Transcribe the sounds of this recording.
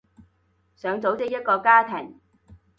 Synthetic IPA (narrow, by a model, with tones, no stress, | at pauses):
sœː˨˧ŋt͡so˨˥wt͡sɪ˥k̚jɐ˥t̚kɔː˧kaː˥t̪ʰɪ˨˩ŋ